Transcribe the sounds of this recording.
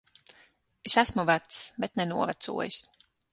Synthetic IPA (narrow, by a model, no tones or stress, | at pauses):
esæsmuvæt̪sbɛt̪nɛnuɔvæt̪sṵɔjis